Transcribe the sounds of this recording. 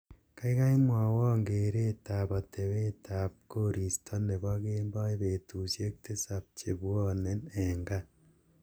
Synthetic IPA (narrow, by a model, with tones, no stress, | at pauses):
ka˦ika˦imwa˨wɔː˦ŋɡeː˨ɾe˦taβa˨tʰe˨we˦tʰa˨p̚ko˦ɾi˨stʰo˦ne˨βa˦ɣeːmba˦e˦βeːtu˨sje˦k̚te˦sa˨p̚t͡ʃe˨βwɔ˦neneŋɡa˦